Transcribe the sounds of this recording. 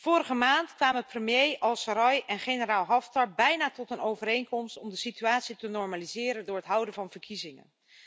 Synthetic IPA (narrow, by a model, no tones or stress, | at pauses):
v̥ʊːɾəχəmaːntkʋaːməprəmjejɑlˠsəɾɑjʔɛnχenəraːlˠɦɑftɑɹbɛjnaːtɔtənowvərejŋkɔmstɔmdəsityaːtsitənɔɹmaːlizɪːɾəndʊːɹɦətɦʌwdənvɑnvəɹkizɪŋə̰n